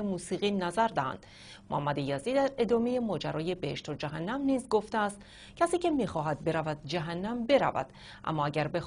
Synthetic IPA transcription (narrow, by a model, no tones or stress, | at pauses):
emuːsiːɣiːnæzæɾd̪æhæ̰nd̪̥ | mohæmːæd̪ejæziːd̪æɾe̞d̪ɒːmeje̞mɒːd͡ʒæɾɒːje̞beheʃt̪ʰod͡ʒæɦænːæmniːzɡo̞ft̪eæst̪ | cʰæsiːcʰe̞miːxɒːɦæd̪̚be̞ɾævæd̪̥̚d͡ʒæɦænːæmbe̞ɾæ̰væ̰d̪̥ | ʔæ̰mːɒːæɟæɾbex